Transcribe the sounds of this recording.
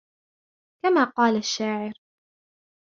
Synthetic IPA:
kamaːqɑːlaʃːaːʕɪɾ

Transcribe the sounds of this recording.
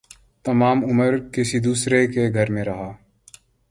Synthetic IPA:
t̪ɐmaːmʊməɾkɪsid̪uːsɾekeɡʱɐɾmẽɾɐɦaː

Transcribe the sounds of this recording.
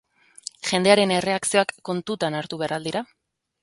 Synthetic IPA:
ʝe̞nd̪e̞aɾe̞ne̞re̞aksio̞akːo̞nt̪ut̪anaɾt̪uβe̞aɾald̪iɾa

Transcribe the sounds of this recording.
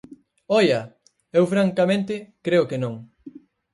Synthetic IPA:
ɔjɐ | ewfɾaŋkamẽnt̪ɪkɾeʊkenõŋ

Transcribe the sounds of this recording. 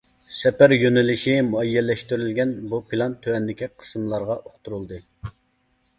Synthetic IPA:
sɛpæɾjønɪlɪʃimuɛjːɛlːɛʃt̪yɾylɡʲɛnbupʰilˠɑnt̪ʰːøɛnd̪ɪkʲiqʰə̥smlˠɑɾʁɑʔoχt̪uɾulˠd̪ɨ

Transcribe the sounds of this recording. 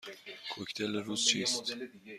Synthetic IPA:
kʰoct̪ʰeleɾuːz̥t͡ʃʰiːst̪

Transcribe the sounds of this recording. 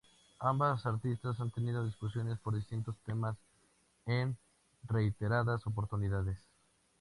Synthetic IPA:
ambasaɾt̪ist̪asant̪e̞nið̞o̞ðiskusjo̞ne̞spo̞ɾðist̪int̪o̞st̪e̞mas | en | re̞it̪e̞ɾaðaso̞p̬o̞ɾt̪uniðaðes

